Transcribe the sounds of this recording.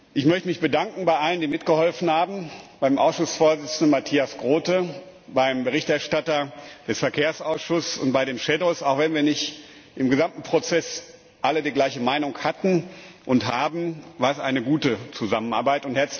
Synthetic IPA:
ʔɪçmœçtəmɪçb̥ədaŋkŋ̩baɪʔaləndiːmɪtɡ̥əhɔlfn̩haːbm̩b̥aɪmʔa̰ʊsʃʊsfoːɐzɪt͡sn̩dənmatʰiːasɡ̥ʁoːtə | baɪmbəʁ̞ɪçtɛɐʃtatɐd̥ɛsfɛɐkʰeːɐsaʊsʃʊssʊ̰nt̚b̥aɪdeːnʃɛdoːsaʊxv̥ɛnviːɐnɪçt | ʔɪmɡəzamtn̩pʁ̥ot͡sɛs | ʔalədiːɡlaɪçəmaɪnʊŋkhatn̩ʔʊnthaːbm̩vaːɐɛsʔaɪnəɡuːtət͡suzaməna̰ɐbaɪtʊnthɛɐt͡s

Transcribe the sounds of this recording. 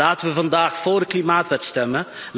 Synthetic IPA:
aːtənʋəvɑndaːxfoːrdəklimaːtʋɛtstɛmə | l

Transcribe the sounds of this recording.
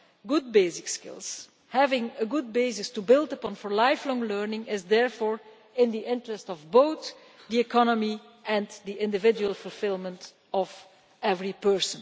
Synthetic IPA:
ɡʊd̚beɪsɪkskɪ̰lˠs | hævɪ̃ŋəɡʊd̚beɪsɪstubɪlˠtəpɔ̃nfɔɹlaɪflɔ̃ŋlɜɹnɪ̃ŋɪzðɛɹfɔːɹ | ɪ̃nd̪iʔɪ̃ntɹəstɔvboʊθ | d̪iɛkʰɑnəmi | ʔɛ̃nd̪iʔɪ̃ndɨvɪd͡ʒuəlˠfɔlˠfɪlˠmə̃nt | ɔv | ɛvɹipɜ˞sə̃n

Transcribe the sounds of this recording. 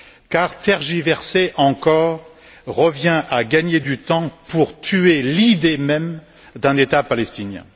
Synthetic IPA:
kaʁt̪ɛʁʒivɛʁseʔɑ̃kɔːʁ | ʁəvjɛ̃ʔaɡaɲed̪yt̪ɑ̃puʁt̪ʰyelid̪emɛm | d̪ɛ̃net̪apalɛst̪injɛ̰̃

